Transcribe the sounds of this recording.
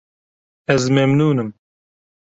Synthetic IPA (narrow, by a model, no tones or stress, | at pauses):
ɛzmɛmnuːnɨm